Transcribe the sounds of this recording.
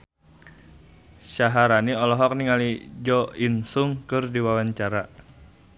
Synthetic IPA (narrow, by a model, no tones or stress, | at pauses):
ʃaɦaɾaniɔlɔɦɔk̚niŋalid͡ʒɔinsuŋkɨrdiwawaɲt͡ʃaɾa